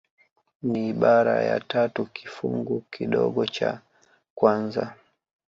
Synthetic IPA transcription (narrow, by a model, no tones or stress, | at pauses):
niːɓaɾajatatukʰi̥fuŋɡukiɗɔɠɔt͡ʃa | kwanza